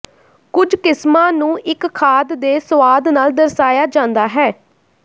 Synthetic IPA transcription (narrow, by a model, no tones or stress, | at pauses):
kʊd͡ʒkɪsmãːnũːʔɪkʰːaːd̪d̪eːsəʋaːd̪naːld̪əɾsaːjaːd͡ʒãːnd̪aːɦɛː